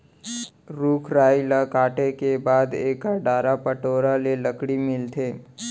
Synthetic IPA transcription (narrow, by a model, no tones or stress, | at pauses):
ɾuːkʰɾaːilakaːʈekebaːd̪eːkaɖaːɾapəʈoːɾaleləkɽimɪlt̪ʰeː